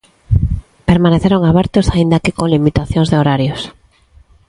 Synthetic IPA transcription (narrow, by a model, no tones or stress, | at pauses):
peɾmaneθeɾoŋaβɛɾt̪ʊsaind̪akekoŋlimit̪aθjõŋzðeoɾaɾjos